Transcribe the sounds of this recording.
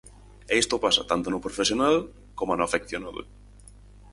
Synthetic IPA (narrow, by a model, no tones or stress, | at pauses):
eist̪opasat̪ant̪onʊpɾofesjonal | komanoafekθjonaðo̰